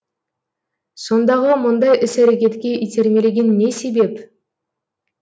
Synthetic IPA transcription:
so̞nd̪ɑʁəmʊnd̪ɑjʔɪsæɾekʲe̞t̪kʲe̞ʔit̪ʰe̞ɾmʲe̞leɡʲe̞nːe̞se̞be̞p

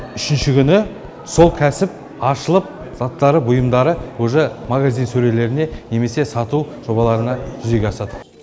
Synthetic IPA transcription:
ʏʃɪnʃɪkʲʏnɪ | so̞lˠkʲʰæsɪp̚ | ɑʃəlˠəp̚ | z̥ɑt̪ːɑɾəbʊjəmd̪ɑɾəwɵʒemaɡazijnsɵɾe̞le̞ɾɪne̞ne̞me̞se̞sɑt̪uʒ̥o̞βɑlˠɑɾənɑʒʏze̞ɡʲeɑsɑd̪ə

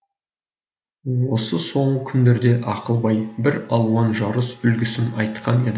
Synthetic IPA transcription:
wo̞səso̞ɴʁəkʲʰʏnd̪e̞ɾd̪e̞ʔɑqəlˠbɑjbɪɾɑlˠwɑnʒɑɾəsʏlɡʲɪsɪnɑjt̪qʰɑne̞d̪ɪ

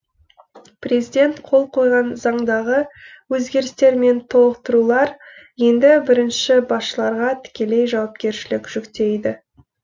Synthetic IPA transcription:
pre̞zijd̪ʲe̞nt̪qʰo̞lˠqʰo̞jʁɑnzɑɴd̪ɑʁə | wɵzɡʲe̞ɾɪst̪e̞ɾme̞nt̪ʰo̞lˠəqt̪əɾulˠɑɾje̞nd̪ɪbɪɾɪnʃɪbɑsʃəlˠɑɾʁɑt̪ʰɪ̥kʲe̞le̞jʒɑwɑp̚kʲe̞ɾʃɪlɪkʲʒ̥ʏkt̪e̞jd̪ɪ

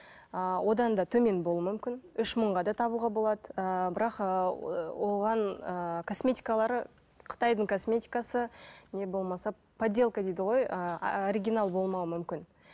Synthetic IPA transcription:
əwʔo̞d̪ɑnd̪ɑt̪ʰɵme̞nbo̞lˠuəmʏmkʲɪnʏʃməɴʁɑd̪ɑt̪ʰɑbuʁɑbo̞lˠɑd̪əbɪɾɑqəwo̞ʁɑnəkʰo̞smʲe̞t̪ʲi̥jkalˠɑɾə | qʰə̥t̪ɑjd̪əɴkʰo̞smʲe̞t̪ʲijkasəne̞bo̞lˠmɑsɑ | pʰad̪ʲːe̞lˠkəd̪ejd̪ɪʁojəoɾʲiɡʲinalˠbo̞lˠmɑwəmʏmkʲɪn

